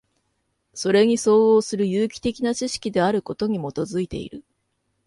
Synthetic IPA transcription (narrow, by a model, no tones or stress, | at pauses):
so̞ɾe̞ɲ̟iso̞ːo̞ːsɨɾɯ̟jɯːkʲi̥t̪e̞kʲinat͡ɕiɕi̥kʲid̪e̞aɾɯ̟ko̞t̪o̞ɲ̟imo̞t̪o̞zɨit̪e̞̰ḭɾɯ̟